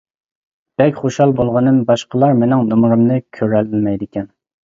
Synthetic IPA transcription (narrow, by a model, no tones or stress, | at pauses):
b̥ɛkʲχoʃhɑlˠbolˠʁɑnɨmbɑʃqəlˠɑɾmenɪŋnomɾɨmnɨkʲʰøɾɛllmɛjd̪ɪkʲɛn